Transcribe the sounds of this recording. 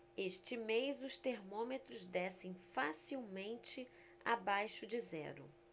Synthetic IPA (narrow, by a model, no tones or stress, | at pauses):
eʃt͡ʃɪmejzʊst̪eɾmõmet̪ɾʊzd̪ɛsẽj̃fasiwmẽnt͡ʃɪ | a̰bajʃʊd͡ʒɪzɛ̰ɾʊ̰